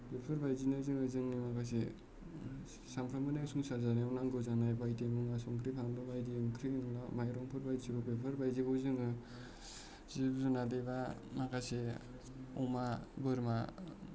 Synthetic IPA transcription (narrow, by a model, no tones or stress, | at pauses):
pepʰɯɾbajzinazɯŋɯzɯŋnimakʰas̬e | sampʰɾamɯneŋsuŋsaɾzaɾiɔnaŋɡɯzanajbajdemuŋasɔŋkʰɾipʰamdɯbajdiŋkʰɾinɯlamajɾɔŋpʰɯɾbajsiɡɔpepʰɯɾbajziɡɯzɯŋɯ | z̥ibzunadebamakʰase | ɔ̰mabɯɾma